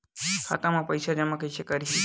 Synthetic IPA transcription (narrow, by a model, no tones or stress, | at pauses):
kʰa̰t̪amãpəjʃad͡ʒəmãkəjʃʰekəɾi